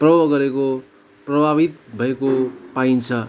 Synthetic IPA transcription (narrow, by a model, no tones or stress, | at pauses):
prʌbʌbɡʌɾeko | prʌbʱaβit̪bʱʌekopaint͡sʰʌ